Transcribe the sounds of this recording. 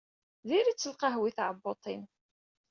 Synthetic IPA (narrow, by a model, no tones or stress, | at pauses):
ðiɾit͡sːəlqɑɦwiθʕəbːot̪ˤin